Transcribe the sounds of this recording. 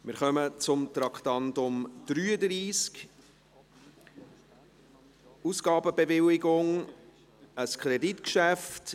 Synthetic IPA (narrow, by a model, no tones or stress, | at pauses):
mɪɾχœmət͡sʊmt̪ɾɑkχtɑntʊmd̥ɾyːədɾiːsk | usɡ̥ɑːbəbevɪlɪɡʊŋ | əskʰχɾɛditkʃæft